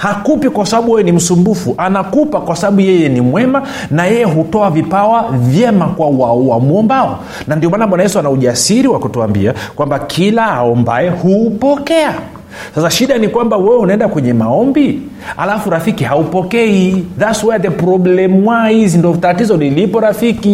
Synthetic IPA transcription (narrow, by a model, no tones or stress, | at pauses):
hakupikwasaɓaɓuwɛjɛnim̩sumbufuʔanakupakwasaɓaɓujɛjɛnimwɛma | najɛjɛɦutɔavipawavjɛmakwawauwamuɔmbaɔ | nandiɔmaːnaɓwanajɛsuanauʄasiɾiwakutuambḭakwambakʰilahaɔmba̰ɛhupɔkɛa | sasaʃiɗanikwambawɛwɛunaɛndakwɛɲɛmaɔmbi | a̰lafuɾafikihaupɔkɛiðasuwɛatɛpɾɔblɛmwahizindɔtatizɔnilipɔɾafiki